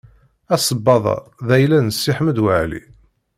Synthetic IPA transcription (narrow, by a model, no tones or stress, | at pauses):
æsˤəbːɑðˤɑ̰ðæjlænəsːiħməd̪wəʕlḭ